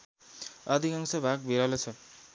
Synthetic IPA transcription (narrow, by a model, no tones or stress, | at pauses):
ad̪ʱikaŋsʌbʱak̚bʱiɾalet͡sʰʌ